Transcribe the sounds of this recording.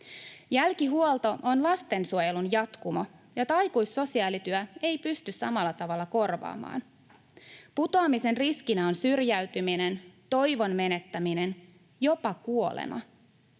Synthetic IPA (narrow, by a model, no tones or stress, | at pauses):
jælkiɦuolˠt̪o̞ʔonlɑst̪e̞nsuoje̞lunjɑt̪kumojot̪ɑɑjkujsːo̞siɑːlit̪yæe̞jpyst̪yssɑmɑlːɑt̪ɑʋɑlːɑko̞rʋɑ̰ːmɑ̰ːn | put̪oɑːmise̞nriskinæonsyrjæɥt̪yminent̪o̞jʋo̞nme̞ne̞t̪ːæmine̞n | jo̞pɑkuo̞lḛmʔɑ̰